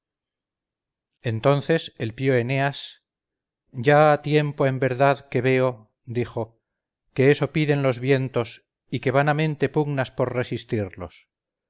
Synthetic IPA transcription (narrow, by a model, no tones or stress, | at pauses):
e̞nt̪o̞nθe̞se̞lpjoe̞ne̞as | ɟ͡ʝaːt̪je̞mpo̞e̞mbe̞ɾðaðke̞βe̞o̞ | d̪ixo̞ | ke̞eso̞piðe̞nlo̞zβje̞nt̪o̞s | ike̞βanamẽ̞nt̪e̞puɣnaspo̞ɾre̞sist̪iɾlo̞s